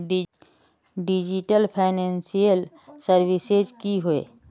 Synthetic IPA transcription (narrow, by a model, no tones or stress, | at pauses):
ɖid͡ʒiʈəlpʰaɪneːnsijəlsəɾwised͡ʒkiɦʊḛː